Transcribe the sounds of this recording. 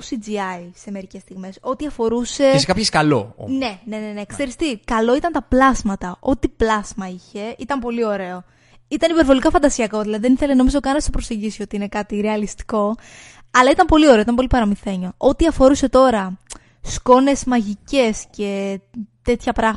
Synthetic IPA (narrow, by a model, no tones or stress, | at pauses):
sid͡ziɐise̞me̞ɾice̞st̪iɣme̞so̞t̪iɐfo̞ɾuse̞skɐpçeskɐlo̰o̰ne̞ne̞nenekseɾist̪ikɐlo̞it̪ɐnt̪ɐplɐzmɐt̪ɐʔo̞t̪iplɐzmɐiçe̞it̪ɐmpo̞lio̞ɾe̞o̞ | it̪ɐnipeɾvo̞likɐfɐnd̪ɐsiɐko̞ðilɐðiðeniθeleno̞mizo̞kɐnɐst̪opɾo̞se̞ɲɟisio̞t̪iine̞kɐt̪iɾe̞ɐlist̪i̥ko̞ | ɐlɐit̪ɐmpo̞lio̞ɾe̞oit̪ɐmpolipɐɾɐmiθe̞ɲo̞o̞t̪iɐfo̞ɾuse̞t̪o̞ɾɐ | sko̞ne̞zmɐʝice̞sce̞t̪e̞t̪çɐpɾɐm